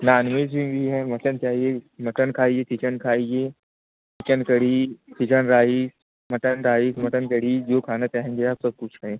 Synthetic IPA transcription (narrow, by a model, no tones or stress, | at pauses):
nanʋeːzʋĩʋiːɦɛmɐʈənt͡ʃaːɦiemɐʈənkʰaːɦiet̪ʰit͡ʃənkʰaːie | tʰit͡ʃənkəɽ̤iːt̪ʰit͡ʃənɾaːɦis | mɐʈənɾaːɦismɐʈənkəɽiːd͡ʒoːkʰaːnat͡ʃaːɦẽɡeaːpsəb̚kut͡ʃʰəẽː